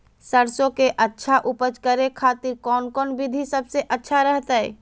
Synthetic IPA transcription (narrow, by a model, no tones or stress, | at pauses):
səɾsõkeʔətːʃʰaʔupət͡ʃkəɾekʰaːt̪iɾkɔːnkɔːnbid̪ʱisəbseʔətːʃʰaɾəɦt̪ɛɛ